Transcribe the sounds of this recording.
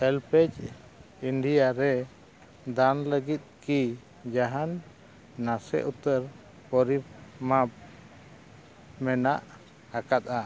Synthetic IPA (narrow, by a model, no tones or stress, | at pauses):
ɛlpɛt͡ʃ | iɳɖijaɾɛ | d̪anləɡit̪̚ki | d͡ʒaɦanː | asɛ̰ʔut̪əɾ | pɔɾip̚map̚ | mɛnaʔ | hakat̪̚a